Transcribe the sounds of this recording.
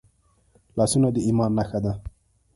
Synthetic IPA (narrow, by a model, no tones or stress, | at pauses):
lɑsunad̪əimɑnːaxad̪a